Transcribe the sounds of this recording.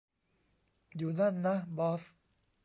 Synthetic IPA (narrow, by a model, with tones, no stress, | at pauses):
juː˨˩na˥˩˨nːa˦˥bɔː˦˥s